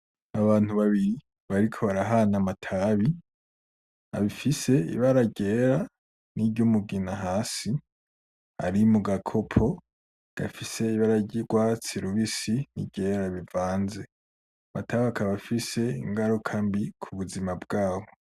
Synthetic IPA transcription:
aβaːn̥huβaβiɾi | βaɾikʰo̞βaɾaɦanamatʰaβi | a̰βifise̞ḭβaɾaɟe̞ɾa | niɟumuɡinaɦaːsi | a̰ɾimuɡakʰo̞pʰo̞ | ɡ̥a̰fise̞iβaɾaɟiɡ̥wat͡siɾuβisinḭɟe̞ːɾaβivaːnze̞ | amatʰaβakʰaβafise̞ḭŋɡaɾukʰambikʰuβuzimabɡaːβo̞

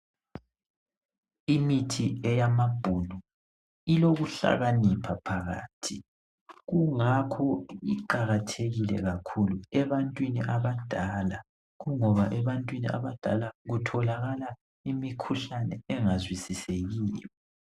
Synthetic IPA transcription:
imitʰiɛjamab̥ʱunu | iloɣuɬa̰ɣanipʰapʰaɣa̰ːtʰi | ɣuŋakʰɔiǃaɣatʰeɣilɛ̰ɣakʰuluɛβantʼwiniʔaβad̥ʱaːla | ɣuŋɔβaʔɛβantʼwinḭʔa̰βad̥ʱalaɣutʰɔlaɣala | imikʰuɬanɛ̰ɛŋazwisiseɣiːwɛ

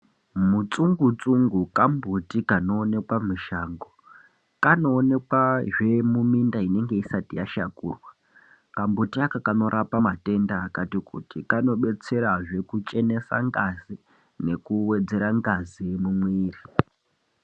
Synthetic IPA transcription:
mut͡suŋɡut͡suŋɡukambʱutikano̞ːne̞kwamuʃaːŋɡo | kano̞ːne̞kwaʐe̞mumindaine̞ŋɡe̞isatijaʃakuːrwa | kambutiakakano̞ɾʔapamate̞ndaːkatikṵtikano̞ɓe̞t͡se̞ɾaʐe̞kut͡ʃʼe̞ne̞sa̰ŋɡazi | ne̞kuwe̞d͡ze̞ɾaŋɡaziemumwiːri

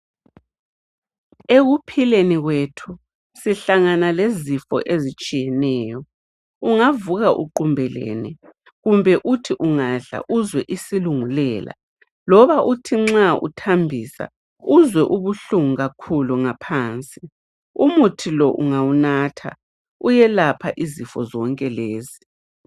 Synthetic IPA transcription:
eɣupʰileniɣwetʰu | siɬaŋanalezifɔ̰ʔezit͡ʃʼijɛnɛːjɔ | uŋavuɣaʔṵǃumbʱɛlḛːnɛ | ɣumbʱɛʔutʰiʔuŋaɮa̰ʔuzwɛʔisiluŋulɛːla̰ | lɔβaʔutʰiŋ͡ǁaṵtʰambʱisa̰ | uzwɛʔuβuɬuŋuɣakʰuluŋapʰaːnt͡sʼi | umutʰilɔʔṵŋawunatʰa̰ | ujɛlapʰaʔizifɔzɔŋkʼɛleːzi

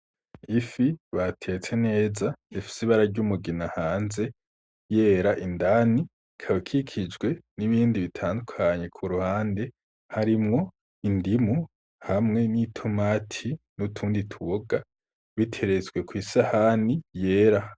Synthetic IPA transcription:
ifiβatʰe̞t͡se̞ne̞ːzaifi̥siβaɾaɾɟumuɡinahaːnze̞ | jeːɾaʔindani | kʰaβikʰikʰid͡ʒɡwe̞niβiːndiβitʰaːndukʰaɲe̞kʰuɾuhaːnde̞ | haɾimŋo̞ | indimu | hamŋe̞nitʰomaːtʰinutʰuːnditʰuβoɡa | βitʰe̞ɾezɡwe̞kwiːsahanije̞ːɾa

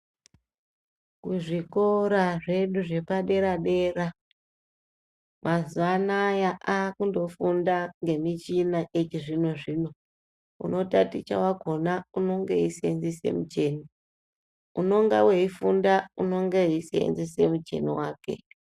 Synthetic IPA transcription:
kuʐiko̞ɾaʐe̞ɗuʐe̞paɗe̞ɾaɗe̞ːra | mazuanajaʔakundo̞fundaŋɡe̞mit͡ʃinaʔet͡ʃiʐino̞ʐino̞ | ṵno̞tatit͡ʃa̰waɡʱo̞nauno̞ŋɡeisenzise̞̰mut͡ʃe̞ːni | uno̞ŋɡaweifundauno̞ŋɡeisḛnzisemut͡ʃe̞̰nḭwaːke̞̰

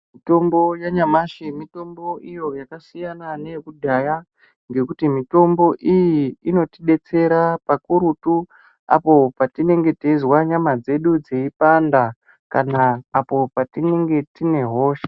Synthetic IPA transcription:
mito̞mbo̞jaɲamaʃemito̞mboʔijo̞jakasijanane̞kudʱaja | ŋɡe̞kutimito̞mbo̞ʔijiːno̞tiɗe̞t͡se̞ɾapakuɾutu | a̰po̞patine̞ŋɡe̞tezwaɲamad͡ze̞ɗud͡zeipanda | kanaːpo̞patine̞ŋɡe̞tine̞ɦo̞ːʃḁ

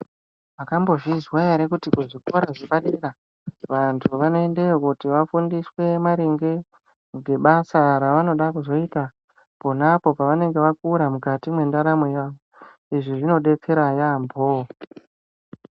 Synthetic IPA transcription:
ʋakambo̞ʐizwajaɾekutikuʐiko̞ɾaʐiɓaɗeɾa | ʋantʰuʋano̞endejokutiʋafundiswe̞maɾeŋɡe̞ | ŋɡe̞ɓasaɾaʋano̞ɗakuzo̞ita | po̞napo̞paʋane̞ŋɡeʋakuɾamuɡʱatimwe̞ndaɾamwejaːʋo | iʐiʐino̞ɗe̞t͡se̞ɾajambʱo

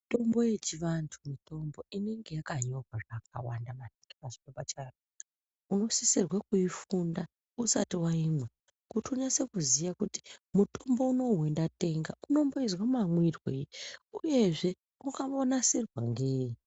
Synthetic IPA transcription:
to̞mbo̞je̞t͡ʃiʋantʰumito̞mbo̞ʔine̞ŋɡe̞jakaɲo̞kaak̚a̰wandamatikipaʐikobat͡ʃaro | uno̞sisirwakuifunda | usa̰tiwaimwe | kutuɲase̞kuzijakuti̥muto̞mbo̞uno̞we̞ndate̞ŋɡauno̞mboizwamamwirweuje̞ʐe̞ | mukaonasirwaŋɡei

